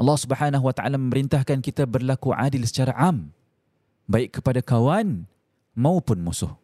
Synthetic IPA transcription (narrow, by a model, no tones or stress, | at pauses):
ʔɑlːɑhsubəħanaɦuwat̪aʔa̰lamə̃məɾint̪ahkankit̪abərlakuʕa̰dɪlsə̥t͡ʃaɾaʔam | baɪkːə̥padakawan | mãupʊnmusʊh